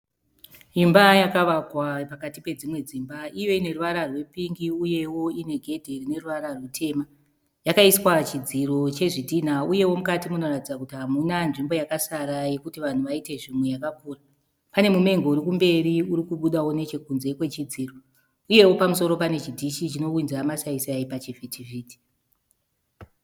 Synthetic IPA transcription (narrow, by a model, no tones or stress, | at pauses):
ʐimbajakaʋakwapakatipe̞d͡zimwe̞d͡ziːmbaijo̞ine̞ruʋaɾarwe̞piŋɡiuje̞wo̞ine̞ɡʱe̞dʱerine̞ruʋaɾarwutʰe̞ma | jakaiswat͡ʃid͡ziro̞t͡ʃe̞ʐidʱin̤auje̞wo̞mukatimuno̞ratid͡zakutiɦamunanʐimbo̞jakasaɾaje̞kutiʋan̤uʋaite̞ʐimwe̞jakakuːra | pane̞mume̞ŋɡouɾikumbe̞ɾiuɾikuɓuɗawo̞ne̞t͡ʃe̞kunze̞kwe̞t͡ʃid͡ziːro | uje̞wo̞pamuso̞ɾo̞pane̞t͡ʃidʱiʃit͡ʃino̞winzamasaisaipat͡ʃivetʰiviːti̥